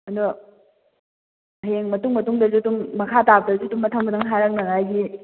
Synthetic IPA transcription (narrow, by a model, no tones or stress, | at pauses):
ɐndɔ | ɐɦeŋmɐtuŋmɐtuŋdɐzutuŋmɐkʰatap̚dɐzutumːɐtʰɐŋbɐtʰaŋɦaɾɐk̚naŋajɡi